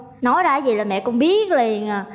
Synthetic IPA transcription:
nɔ˨˦jzaː˧˦˩zi˨˩laː˨˩mɛ̰˧˨kɔ̰˧˥ŋ͡mɓi˦˥ət̚li˨˩ənaː˨˩

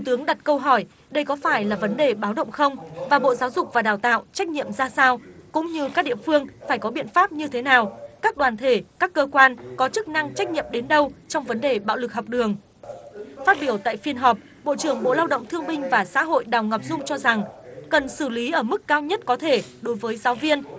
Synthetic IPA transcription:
t̪t̪ɨ˨˦əŋɗa˨˩t̚kə˧wɦɔ˧˩j | ɗə˧jkɔ˨˦faː˧˩jlaː˨˩və˨˦nɗe˨˩ɓaː˨˦wɗə̰˧˨wŋ͡mxə˧wŋ͡mvaː˨˩ɓo̰˧˨zaː˨˦wzʊ˨˩k͡p̚vaː˨˩ɗaː˨˩wt̪a̰ː˧˨wt͡ɕa˦˥k̟̚ɲḭ˧˨əmzaː˧saː˧wkʊ̰˧˥ŋ͡mɲɨ˧kaː˦˥k̚ɗḭ˧˨əfɨ˧əŋfaː˧˩jkɔ˨˦ɓḭ˧˨ənfaː˦˥p̚ɲɨ˧t̪ʰe˨˦naː˨˩wkaː˦˥k̚ɗwaː˨˩nt̪ʰe˧˩kaː˦˥kːəː˧kwaː˧nkɔ˨˦t͡ɕɨ˦˥k̚na˧ŋt͡ɕa˦˥k̟̚ɲḭ˧˨əmɗe˨˦nɗə˧wt͡ɕɔ˧wŋ͡mvə˨˦nɗe˨˩ɓa̰ː˧˨wlɨ˨˩k̚ɦwk͡p̚ɗɨ˨˩əŋ | faː˦˥t̚ɓi˧˩əwt̪a̰ː˧˨jfi˧ənɦɔ˨˩p̚ | ɓo̰˧˨t͡ɕɨ˧˩əŋɓo̰˧˨laː˧wɗə̰˧˨wŋ͡mt̪ʰɨ˧əŋɓï˧ŋ̟vaː˨˩sa̰ː˧˥ɦo̰˧˨jɗaː˨˩wŋə˨˩p̚zʊ˧ŋ͡mt͡ɕɔ˧za˨˩ŋkə˨˩nsɨ˧˩li˨˦ʔəː˧˩mɨ˦˥kkaː˧wɲə˦˥t̚kɔ˨˦t̪ʰe˧˩ɗo˨˦jvəː˨˦jzaː˨˦wvi˧ən

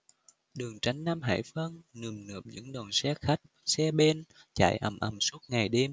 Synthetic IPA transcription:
ɗɨ˨˩əŋt͡ɕa˨˦jŋ̟na˧mɦa̰ː˧˥jfə˧nnɨ˨˩əmnɨ˨˩əp̚ɲɨ̰˧˥ŋɗɔ˨˩nsɛ˨˧˥xa˦˥jk̚sɛ˧ɓe˧nt͡ɕa̰ː˧˩˨jʔə˨˩mʔə˨˩msu˦˥ət̚ŋa˨˩jɗe˧m

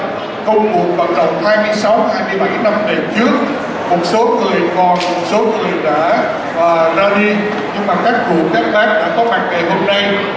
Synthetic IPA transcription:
xə˧wŋ͡mmu˨˩ət̚və̰˧˥nɗə̰˧˨wŋ͡mhaː˧jmɨ˧əjsa˨˦whaː˧jmɨ˧əjɓa˧˩jna˧mnə˨˩t͡ɕɨ˦˥ək̚ | mo˨˩t̚so˨˦ŋɨ˨˩əjvɔ˨˩mo˨˩t̚so˨˦ŋɨ˨˩əjɗa̰ː˧˥ | ʔəː˨˩zaː˧ɗi˧ | ɲɨ˧ŋmaː˨˩kaː˦˥k̚ku˨˩əkaː˦˥k̚laː˦˥k̚ɗa̰ː˧˥kɔ˨˦ma˨˩k̚ve˨˩ɦo˧mna˧j

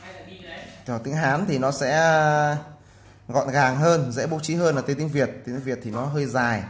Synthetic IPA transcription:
t̪ɔ˨˩t̪ï˨˦ŋɦaː˨˦nt̪ʰi˨˩nɔ˨˦sɛ̰˧˥ | ɣɔ̰˧˨nɣaː˨˩ŋɦəː˧nzɛ̰˧˥ɓo̰˧˥t͡ɕi˨˦ɦəː˧nʔəː˨˩t̪i˨˧˦t̪i˨˦ŋvi˨˩ət̚t̪i˨˧˦t̪i˧ŋvət̪ʰi˨˩nɔ˨˦ɦəː˧jzaː˨˩j

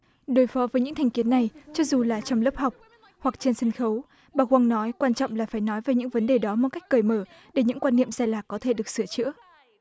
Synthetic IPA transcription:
ɗo˨˦jfɔ˨˦vəː˨˦jɲɨ̰˧˥ŋt̪ʰŋki˨˦ənːa˨˩jt͡ɕɔ˧zu˨˩laː˨˩t͡ɕɔ˧wŋ͡mlə˦˥p̚ha˨˩wk͡p̚ | hwa˨˩k̚t͡ɕe˧nsə˧nxə˨˦w | ɓaː˨˩kwa˧ŋnɔ˨˦jkwaː˧nt͡ɕɔ̰˧˨ŋ͡mlaː˨˩faː˧˩jnɔ˨˦jvaː˨˩jɲɨ̰˧˥ŋvə˨˦nɗe˨˩ɗɔ˨˦mo˨˩t̚ka˦˥k̚kəː˨˩jməː˧˩ | ɗe˧˩ɲɨ̰˧˥ŋkwaː˧nːḭ˧˨əmzaː˧jlaː˨˩kkːɔ˨˦t̪ʰe˧˩ɗɨ˨˩ək̚sɨ˧˩ət͡ɕɨ̰˧˥ə

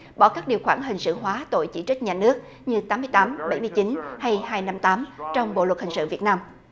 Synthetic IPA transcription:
ɓɔ˧˩kaː˦˥k̚ɗi˨˩əwxwaː˧˩ŋɦï˨˩ŋ̟sɨ̰˧˨ɦwaː˨˦t̪o̰˧˨jt͡ɕḭ˧˩t͡ɕɨ˦˥k̚ɲaː˨˩nɨ˦˥ək̚ | ɲɨ˧t̪aː˨˦mɨ˧jt̪aː˨˦mɓa˧˩jmɨ˧əjt͡ɕi˨˦nha˧jhaː˧jna˧mt̪aː˨˦mt͡ɕɔ˧wŋ͡mɓo̰˧˨lwə˨˩t̚hi˨˩ŋ̟sɨ̰˧˨vi˨˩ət̚naː˧m

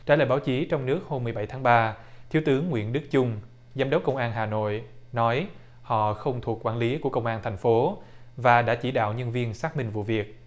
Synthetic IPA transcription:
t͡ɕa̰ː˧˥˩l̰ːjɓaː˨˦wt͡ɕi˨˦t͡ɕɔ˧wŋ͡mnɨ˦˥ək̚ho˧mːɨ˨˩əɓa˧˩jt̪ʰaː˨˦ŋɓaː˧ | t̪ʰi˨˦əwt̪ɨ˨˦əŋːwḭ˧˥ənɗɨ˦˥k̚t͡ɕʊ˧ŋ͡m | za˧mɗə˨˦˥wk͡pkːə˧wŋ͡mʔaː˧nɦaː˨˩no̰˧˨jnɔ˨˦j | hɔ̰˧˨xə˧wŋ͡mt̪ʰu˨˩əkːwaː˧˩nli˨˦ku˧˩əkə˧wŋ͡mʔaː˧nt̪ʰɛ˨˩jŋ̟fo˨˦ | vaː˨˩ɗa̰ː˧˥t͡ɕi˧˩ɗa̰ː˧˨wɲə˧nvi˧ənsaː˦˥k̚mï˧ŋvṵ˧˨vi˨˩ək̚

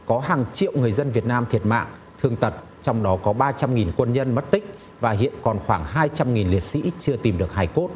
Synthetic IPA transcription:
kɔ˨˦ɦaː˨˩ŋt͡ɕḭ˧˨əwŋɨ˨˩əjzə˧nvi˨˩ət̚naː˧mt̪ʰi˨˩ət̚ma̰ː˧˨ŋ | t̪ʰɨ˧˩əŋt̪ə˨˩t̚ | t͡ɕɔ˧wŋ͡mɗɔ˨˦kɔ˨˦ɓaː˧t͡ɕa˧mŋi˨˩nkwə˧nɲə˧nmə˦˥t̚t̪ï˦˥k̟̚ | vaː˨˩ɦḭ˧˨ənkɔ˨˩nxwaː˧˩ŋɦaː˧jt͡ɕa˧mŋi˨˩nli˨˩ət̚sḭ˧˥t͡ɕɨ˧ət̪i˨˩mɗɨ˨˩ək̚haː˧˩jko˦˥t̚

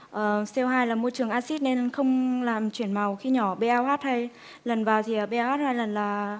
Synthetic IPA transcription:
ʔəː˨˩sɛ˧wɦaː˧jlaː˨˩mo˧jt͡ɕɨ˨˩əŋʔaː˧si˦˥t̚ne˧nxə˧wŋ͡mlaː˨˩mt͡ɕwi˧˩ənma˨˩wxi˧ɲɔ˧˩˦ɓe˧ʔaː˧whaː˦˥t̚hə˧j | lə˨˩nvaː˨˩wt̪ʰi˨˩ʔəː˨˩ɓe˧aː˧whaː˦˥t̚haː˧jlə˨˩nlaː˨˩

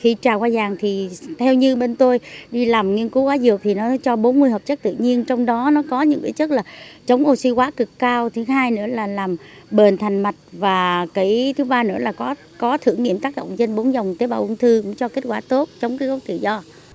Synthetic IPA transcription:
xi˧˩t͡ɕaː˨˩kwaː˧zaː˨˩ŋt̪ʰi˨˩t̪ʰɛ˧wɲɨ˧ɓe˧nt̪o˧jɗi˧laː˨˩mŋi˧ənku˨˦kwaː˨˦zɨ˨˩ək̚t̪ʰi˨˩nɔ˨˦t͡ɕɔ˧ɓo˨˦nmɨ˧əjɦə˨˩p̚t͡ɕə˦˥k̚t̪ɨ̰˧˨ɲi˧ənt͡ɕɔ˧wŋ͡mɗɔ˨˦nɔ˨˦kɔ˨˦ɲɨ̰˧˥ŋkaː˨˦jt͡ɕə˦˥t̚laː˨˩t͡ɕə˨˦wŋ͡mʔo˧si˧kwaː˨˦kɨ˨˩kːaː˧wt̪ʰi˨˦ŋɦaː˧jnɨ̰˧˥əlaː˨˩laː˨˩m | ɓe˨˩nt̪ʰa˨˩jŋ̟ma˨˩t̚vaː˨˩kaː˨˦jt̪ʰɨ˨˦ɓaː˧nɨ̰˧˥əlaː˨˩kɔ˨˦ | kɔ˨˦t̪ʰɨ˧əŋḭ˧əmt̪aː˦˥k̚ɗə̰˧˨wŋ͡mt͡ɕe˧nɓo˨˦nzə˨˩wŋ͡mt̪e˨˦ɓaː˨˩ʔʊ˧ŋ͡mt̪ʰɨ˧kʊ̰˧˥ŋ͡mt͡ɕɔ˧ke˦˥t̚kwaː˧˩t̪o˦˥t̚t͡ɕɔ˨˦wŋ͡mkaː˨˦ko˨˦t̪ɨ̰˧˩˨zɔ˧

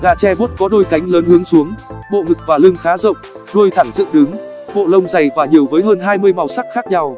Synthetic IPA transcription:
ɣaː˧˩t͡ɕɛ˧ɓo˦˥t̚kɔ˨˦ɗo˧jka˨˦jŋ̟ləː˨˦nhɨ˨˦əŋsu˨˦əŋɓo̰˧˨ŋɨ˨˩k̚vaː˨˩lɨ˧ŋxaː˨˦zə̰˧˨wŋ͡m̚ | ɗu˧əjt̪ʰaː˧˩ŋzɨ̰˧˨ŋɗɨ˨˦ŋ | ɓo̰˧˨lə˧wŋ͡mza˨˩jvaː˨˩ɲi˨˩əwvəː˨˦jɦəː˧nɦaː˧jmɨ˧əjma˨˩wsa˦˥k̚xaː˦˥k̚ɲa˧w

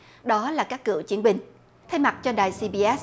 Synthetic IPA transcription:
ɗɔ˨˦laː˨˩kaː˦˥kːɨ̰˧˩ət͡ɕi˨˦nɓï˨˩ŋ̟ | t̪ʰa˧jma˨˩t̚t͡ɕɔ˧ɗaː˨˩jsi˧ɓi˧ʔɛ˦˥

